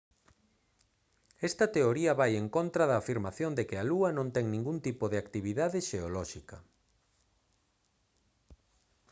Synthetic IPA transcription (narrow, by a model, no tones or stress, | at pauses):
ɛst̪ɐt̪eoɾiɐβajeŋkont̪ɾɐðɐːfiɾmaθjond̪ekɪaluɐnõnt̪ɛŋnĩŋɡunt̪ipoðeakt̪iβiðaðɪʃeolɔʃikɐ